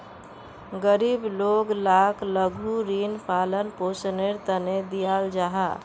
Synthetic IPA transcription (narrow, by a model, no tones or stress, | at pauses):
ɡəɾibloɡlakʰləɡʱuɾinpʰalənposneɾt̪əned̪ijald͡ʒaɦa